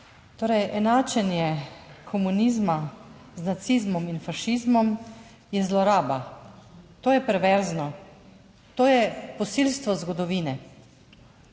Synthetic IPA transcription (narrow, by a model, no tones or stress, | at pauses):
t̪oːɾɛjʔɛnaːt͡ʃɛnjɛkʰɔmunizma | znat̪sizmɔminfaʃizmɔm | jɛzlɔɾaːba | t̪oːjɛpɾɛʋɛɾznɔ | t̪oːjɛpɔsilst̪ʋɔzɡɔd̪ɔʋiːnɛ